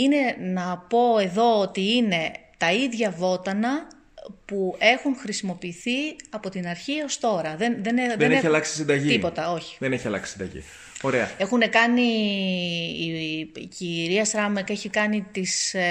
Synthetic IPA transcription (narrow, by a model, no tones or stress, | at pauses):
ine̞nɐpo̞e̞ðo̞ot̪iine̞t̪ɐiðʝɐvo̞t̪ɐnɐ | pue̞xuŋxɾisimo̞piːθiɐpo̞t̪inɐɾçio̞st̪o̞ɾɐðenðeneðeneçɐlɐksi̥sind̪ɐʝiipo̞t̪ɐo̞çi̥ðeneçɐlɐ̰ksi̥sind̪ɐ̰ʝḭ | o̞ɾe̞ɐ̰e̞xune̞kɐni | ciɾiɐsɾɐmeke̞çikɐnit̪is